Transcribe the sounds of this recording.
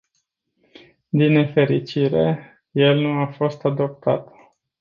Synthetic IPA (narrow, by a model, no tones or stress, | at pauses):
d̪inːe̞fe̞ɾit͡ʃiɾe̞ | je̞lnuafo̞st̪ad̪o̞p̚t̪a̰t̪